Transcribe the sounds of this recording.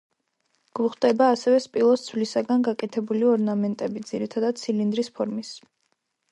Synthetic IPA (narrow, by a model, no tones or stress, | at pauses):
ɡ̥uχd̪ʼɛbaːsɛvɛspʼilˠɔd̪sʰvlisaɡanɡakʼɛt̪ʰɛbuliɔɾnamɛnt̪ʼɛbid̪z̥iɾit̪ʰad̪ad̪̥̚t̪sʰilind̪ɾispʰɔɾmis